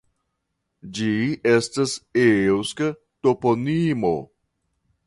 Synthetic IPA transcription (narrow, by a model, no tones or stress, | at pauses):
d͡ʒiestasewskə | toponimo̰